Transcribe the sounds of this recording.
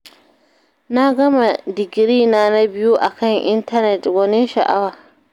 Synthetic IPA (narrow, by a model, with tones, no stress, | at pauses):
na˦ɡɐ˦ma˨dɪ˨ɡɾiː˦˨naː˦na˦bɪ˦ju˦ʔa˨kɐ˦˨ŋʔɪ˦ntɐ˦nɛ˨twɐ˦nɪ˦nʃɐ˨ʔa˦waː˨